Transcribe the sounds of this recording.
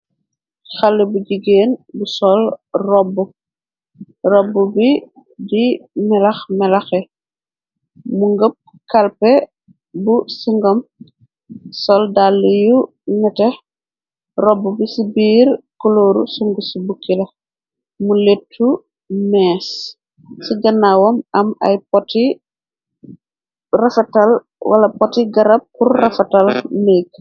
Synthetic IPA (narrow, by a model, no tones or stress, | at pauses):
xɐlːibuɟiɡeːnbusɔlrɔbːu | rɔbːubi | dimɛlɐxmɛlɐxɛ | muŋɡəp̚ | kɐlpɛ | busiŋɡɔm | sɔldalːiju | ŋɛtɛ | rɔbːubisibiːɾkɔloːɾṵsuŋɡusibukːilɐ | muletʰːu | mɛːs | siɡɐnːawɔmɐmɐ̰jpɔti | rɐfɐtɐl | wɐ̰lɐpɔtiɡɐɾɐp̚kurrɐfɐtɐlneːɡ̚